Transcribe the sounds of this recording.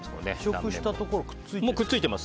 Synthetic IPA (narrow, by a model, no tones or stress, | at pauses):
soneɕokɯ̟ɕi̥t̪at̪okoɾokɯ̥t͡sːɨimokɯt͡sːɨit̪e̞mas